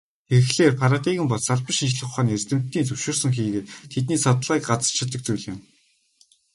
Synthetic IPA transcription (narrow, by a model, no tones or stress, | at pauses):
xeɾɘ̆xɮeːrpʰaɾat̪iːɣɘ̆mpɔɮsaɮpə̆ʃint͡ɕɮɘ̆χʊχaːnːert̪ɘ̆m̥t̪ːiːnt͡sɵwʃʊːrsɵ̆ŋxiːɣeːt̪t̪ʰet̪niːsɔt̪ə̆ɮʁiːkɢat͡sə̥̆t͡ɕʰɪ̆t̪ːə̆k̚t͡sujɮɪ̆m